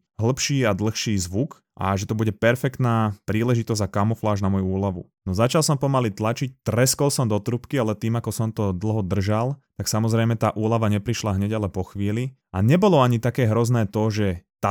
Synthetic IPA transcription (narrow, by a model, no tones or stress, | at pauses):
ɦl̩pʃiːad̪l̩xʃiːzʋuk | ʔa̰ʒɛt̪ɔbuɟɛpɛɾfɛkt̪naːpɾiːlɛʒit̪ɔzakamɔflaːʒnamɔjuuːlaʋṵ | nɔzat͡ʃalˠsɔmpɔmalit̪lat͡ʃic̚t̪ɾɛskɔlsɔmd̪ɔt̪ɾupkialɛt̪iːmakɔsɔmt̪ɔd̪l̩ˠɦɔd̪r̩ʒalt̪aksamɔzɾɛjmɛt̪aːʔuːlaʋaɲɛpɾiʃlaɦɲɛɟalɛpɔxʋiːli | ʔa̰ɲɛbɔlɔaɲit̪akɛːɦɾɔznɛːt̪ɔʒɛt̪a